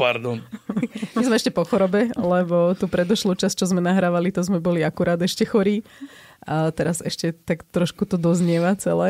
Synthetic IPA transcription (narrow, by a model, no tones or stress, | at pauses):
paɾd̪ɔnmɛzmɛɛʃcɛpɔxɔɾɔbɛlɛbɔt̪uːpɾɛd̪ɔʃluːt͡ʃast͡ʃɔzmɛnaɦɾaːʋalit̪ɔzmɛbɔliakuɾaːd̪ɛʃcɛxɔɾiː | t̪ɛɾazɛʃcɛt̪akt̪ɾɔʃkut̪ɔd̪ɔzɲɪɛʋat͡sɛlɛː